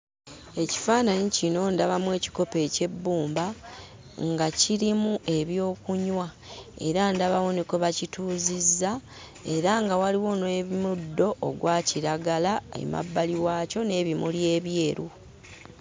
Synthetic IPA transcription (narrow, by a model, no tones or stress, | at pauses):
e̞ci̥faːnaɲicino̞ndaβamwe̞ːci̥ko̞pe̞ːce̞bːuːmba | ŋɡaciɾimuʔe̞βjo̞ːkuɲwa | e̞̰ɾandaβawoniko̞βacituːzizːa | e̞ɾaŋɡawaliwo̞nwe̞βimudːo̞ʔːɡwaːciɾaɡalaḛma̰bːaliwaːco̞ne̞ːβimulje̞ːβje̞ːɾu